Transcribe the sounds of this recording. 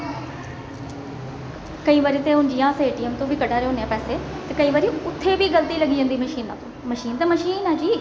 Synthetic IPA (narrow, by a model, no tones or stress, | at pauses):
kəĩːʋaɾiːt̪eːɦʊnd͡ʒijãːseːʈiːɛːmt̪õːʋiːkəɖaːɾeːɦõːnejãːpɛːseː | t̪eːkəiːʋəːɾiːʊt̪ʰːeːʋiːɡəlt̪iːləɡiːd͡ʒãnd̪iːməʃiːnãːt̪õːməʃiːnt̪eːməʃiːnãːd͡ʒiː